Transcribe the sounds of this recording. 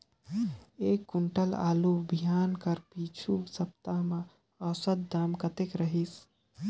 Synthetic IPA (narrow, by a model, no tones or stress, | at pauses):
ekːuɳʈəla̰ːlubʱijankəɾpit͡ʃʰusəp̚t̪amẽ | əsəd̪̚d̪amkət̪ekɾəɦis